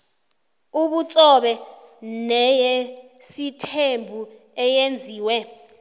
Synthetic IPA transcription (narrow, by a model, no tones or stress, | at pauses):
uɓut͡sʼɔɓɛnɛjesitʰembʱu | ɛjend͡zʱiːwɛ